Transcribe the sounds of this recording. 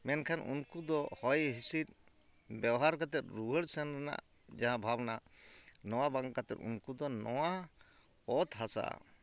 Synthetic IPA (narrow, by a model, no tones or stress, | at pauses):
mɛnkʰanʔṵnkud̪ɔhɔjɦisit̪̚ | bɛwɦaɾkat̪ɛt̪̚ɾuɦəɽsɛnɾɛna̰ʔ | d͡ʒaɦãbʱabnaʔnɔw̃abaŋkat̪ɛt̪ṵnkud̪ɔnɔwa | ɔt̪ɦasa̰